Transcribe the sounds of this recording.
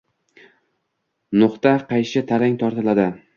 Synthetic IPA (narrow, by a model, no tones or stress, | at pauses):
nʊqt̪aqʰɑjʃɪt̪ʰaɾaŋt̪ʰɒɾt̪ɪlad̪ɪ